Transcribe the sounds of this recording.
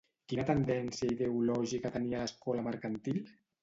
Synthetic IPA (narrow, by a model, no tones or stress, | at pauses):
kinat̪ənd̪ɛnsiaiðeulɔʒikat̪ənialəskɔlaməɾkant̪il